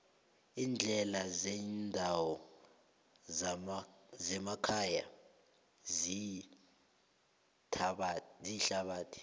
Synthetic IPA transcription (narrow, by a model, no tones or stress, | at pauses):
iːnd͡ɮʱɛlazɛndʱawɔ | zɛmakʰaja | zi | tʰɓziɬaɓaːtʰi̥